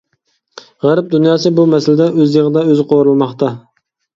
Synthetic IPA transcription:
ʁæɾɪp̚d̪unjɑːsɨbumɛsɪlɪd̪ɛʔøzjeʁɨd̪ɛøzɪqʰoɾɨlˠmɑχt̪ʰɑ

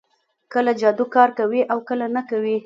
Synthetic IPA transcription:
kəlad͡ʒɑd̪ukɑɾkawiʔawkəlanakawi

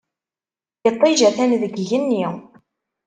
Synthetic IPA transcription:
jət̪ˤːiʒæθænðəɡʝənːi

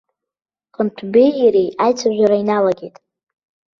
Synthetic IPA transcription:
qʼəntʰbejaɾejajt͡sʰaʒᶣʷaɾainalaɡʲejtʼ

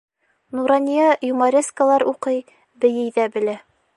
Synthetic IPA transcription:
nuɾɑnʲijɑjumɑɾʲeskalˠɑɾʔuqɤj | bɘ̆jɘ̆jðæbɘ̆læ

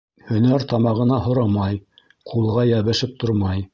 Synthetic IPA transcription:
hɵ̆næɾt̪ɑmɑʁɤ̆nɑhŏɾɑmɑj | qʰulˠʁɑjæβɘ̆ʃɘp̚t̪ʰoɾmɑj

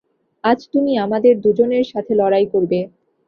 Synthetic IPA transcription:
ad͡ʑt̪umiamad̪eɾd̪ud͡ʑoneɾʃat̪ʰelɔɾajkoɾbe

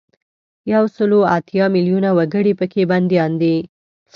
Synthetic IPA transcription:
jawsəloat̪jɑmiljunawaɡəɽipəkʰeband̪jɑnd̪i | s

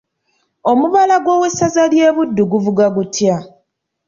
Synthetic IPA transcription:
o̞muβalaɡwo̞ːwesazalje̞ːβudːuɡuvuɡaɡutja

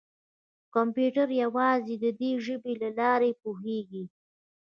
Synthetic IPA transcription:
kampjuʈaɾjawɑzed̪əd̪eʒəbelalɑɾepuɦeɡi

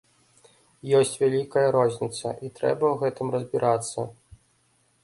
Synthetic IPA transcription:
jɔsʲt͡sʲvʲalʲikɐjɐɾɔzʲnʲit̪sɐ̰ʔit̪ɾɛ̰bɐwɣɛt̪ɨmrɐzʲbʲiɾʔat̪sːɐ̰

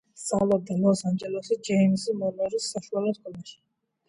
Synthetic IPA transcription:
salˠɔb̚d̪alˠɔsand͡ʒɛlˠɔsid͡ʒɛmsimɔnɛɾisːaʃualˠɔt̪ɡɔnaʃi̥

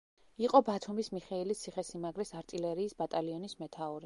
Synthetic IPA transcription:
iqʼɔbat̪ʰumismiχɛilit̪sʰiχɛsimaɡɾɛsaɾt̪ʼilɛɾiːsbat̪ʼaliɔnismɛt̪ʰauɾi

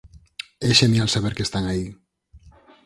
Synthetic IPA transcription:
eʃemialsaβeɾkest̪aŋai

